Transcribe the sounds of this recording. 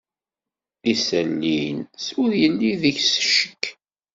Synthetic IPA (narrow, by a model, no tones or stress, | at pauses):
isəlːinsʊɾjənːiðəçsʃə̥kː